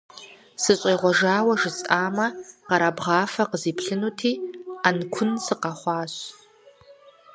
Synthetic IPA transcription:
sɨɕʼeːʁʷɔʒaːwɐʒɪt͡sʼaːmɐqɐɾaːbʁɑːfɐqəziːpʰɬɨnutʰiːankʷʰʊnsɨqɑχʷɑːɕ

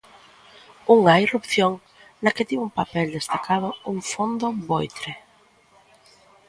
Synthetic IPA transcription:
uŋɐirupθjoŋ | nɐkɪt̪iwumpapɛld̪est̪akað̞ʊuŋfond̪obojt̪ɾe

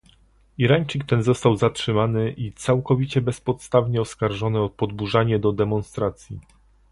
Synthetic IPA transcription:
iɾaɲʲt͡ʂik̚t̪ɛnzɔst̪awzatʂɘmanɘʔit̪sawkɔvʲit͡ɕɛbɛspɔt̪st̪avɲɛɔskaɾʐɔnɘɔpɔd̪buʐaɲɛd̪ɔd̪ɛmɔnst̪ɾat̪sʲji

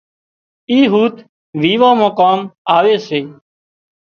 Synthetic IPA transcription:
iːɦuːt̪ | ʋiːʋãːmãːkaːmaːʋeːseː

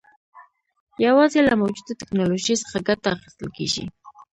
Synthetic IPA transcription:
jawɑzelamawd͡ʒud̪at̪ɪknɑloʒijsə̥χaɡat̪aːxi̥st̪əlkḛʒḭ

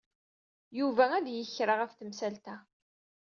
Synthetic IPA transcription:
juvææðjəçɾɑʁæfθəmsælt̪æ

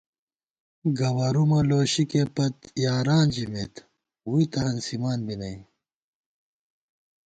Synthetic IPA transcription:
ɡɐwɐɾumɐloːɕikepɐt̪jaːɾaːnd͡ʑimet̪ | wuit̪ɐhɐnsimaːnbinɐi

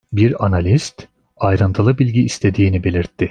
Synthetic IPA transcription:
biɾanalʲist̪ | ajɾɯnt̪ʰalˠɯbilʲɟiːst̪ʰe̞d̪iːnibe̞lʲiɾt̪ʰːɪ

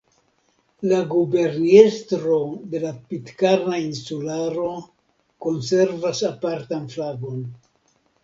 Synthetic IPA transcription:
laɡube̞ɾnestɾo̞de̞lapitkaɾnainsulaɾo̞ | ko̞nse̞ɾvasapaɾtanflaɡo̞n

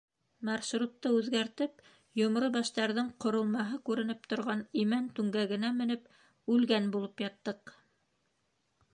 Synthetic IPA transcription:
mɑɾʃɾut̪ːɤʉðɡæɾt̪ɘp | jŏmɾobɑʃt̪ɑɾðɤɴqŏɾŏlˠmɑɦɤkʉɾɘ̆nɘpt̪ŏɾʁɑnimænt̪ʉŋɡæɡɘ̆næmɘ̆nɘp | ʉlɡænbulˠɤpjɑt̪ːɤq

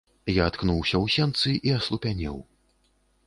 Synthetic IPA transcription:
jaːt̪knuwsʲɐwsʲɛnt̪sɨʔiɐslˠupʲanʲɛ̰w

